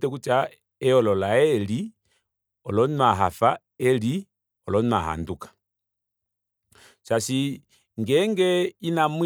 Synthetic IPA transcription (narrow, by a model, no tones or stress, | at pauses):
tɛk̬ut͡ʃa | ɛɔlɔlaɛli | ɔlɔnaɦafa | ɛli | ɔlɔna̰ɦa̰ndukḁ | sasi | ŋɡɛŋɡɛinamw